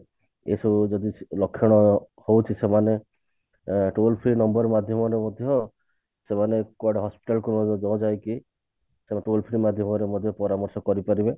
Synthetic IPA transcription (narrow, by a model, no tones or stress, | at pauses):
ḛsɔd͡ʒɔd̪ilɔkʰːjɔɽ̃ɔ | howt͡ʃʰisemane | ʈolpʰɾinɔmbɔɾmad̪ʱjɔmɔɾemɔd̪ʱjɔ | semanekɔɽɔɦɔspi̥ʈalkunɔd͡ʒɔwd͡ʒajki | semanʈolpʰɾimad̪ʱjɔmɔɾemɔd̪ʱjɔpɔɾamɔɾsɔkɔɾipaɾibe